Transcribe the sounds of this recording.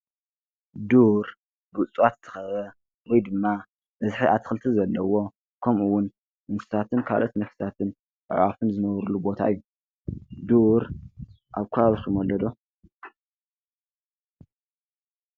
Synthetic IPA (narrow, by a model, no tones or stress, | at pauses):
d̪uɾ | ɡut͡sʼwat̪zɨ̥t̪ʰɐ̥xɐβɐ | wɔjd̪ɨmːa | bɐzħiʔat̪ʰxɨlt̪ʰizɐlːɐwo̞ | kʰɐmʔuwʊn | mɨnfɨ̥stat̪ʰɨnkʰa̰lʔot̪nɐfst̪ʰat̪ʰɨn | ʕwafɨnzɨnɐβɾulubo̞t̪ʰa̰ɨjːu | d̪uɾ | ʔaβkʰujaβsumolːɐd̪o